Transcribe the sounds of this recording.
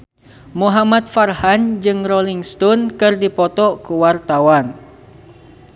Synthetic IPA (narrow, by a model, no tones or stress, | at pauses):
muɦamat̪̚farhand͡ʒɨŋrɔliŋst̪ɔnkɨrdipɔt̪ɔkuwart̪awan